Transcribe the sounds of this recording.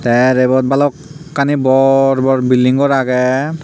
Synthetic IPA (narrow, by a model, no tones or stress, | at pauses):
tɛɹebɔt̚balɔkːanibɔɹbɔɹbildiŋɡɔɹaɡɛ